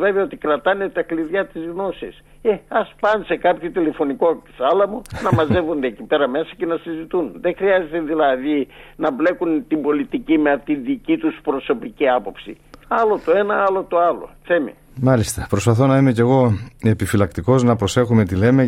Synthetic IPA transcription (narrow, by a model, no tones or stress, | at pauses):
ve̞veɐot̪ikɾɐt̪ɐnet̪ɐkliðʝɐt̪izɣno̞sis | eɐspɐnse̞kɐpçot̪ile̞fo̞niko̞sɐlɐmonɐmɐze̞vond̪eːcipe̞ɾɐme̞sɐce̞nɐsizit̪unðexɾiɐze̞t̪eðilɐðinɐble̞kunt̪imbo̞lit̪icimeɐt̪iðicit̪uspɾo̞so̞piciɐpo̞psḭ | ɐlo̞t̪o̞e̞nɐɐlo̞t̪o̞ɐlo̞̰θemḭ | mɐlist̪ɐpɾo̞spɐθo̞nɐime̞ce̞ɣo̞e̞pifilɐkt̪iko̞znɐpɾose̞xume̞t̪ile̞me